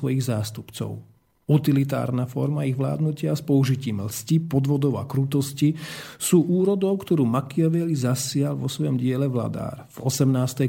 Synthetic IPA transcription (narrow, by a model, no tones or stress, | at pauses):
ʋɔjiɣzaːst̪upt͡sɔ̰ʊ | ut̪ilit̪̬a̰ːɾnafɔ̰ɾmaiɣʋla̰ːd̪nucɪaspɔuʒiciːmlscipɔd̪ʋɔd̪ɔʊa̰kɾut̪ɔscisuːʔuːɾɔd̪ɔʊkt̪ɔɾuːmakiaʋɛlizasɪalʋɔsʋɔjɔmɟɪɛlɛʋla̰d̪a̰ːɾvɔsɛmnaːst̪ɛ